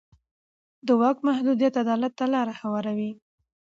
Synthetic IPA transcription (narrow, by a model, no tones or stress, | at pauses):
d̪əwɑkmahd̪ud̪ijat̪ad̪ɑlat̪ːalɑɾahawɑɾawi